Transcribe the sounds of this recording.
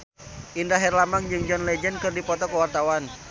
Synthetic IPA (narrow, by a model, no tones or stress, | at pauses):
ʔindaɦɛrlamaŋd͡ʒɨŋd͡ʒɔnlɛd͡ʒɛnkɨrdipɔt̪ɔkəwart̪awan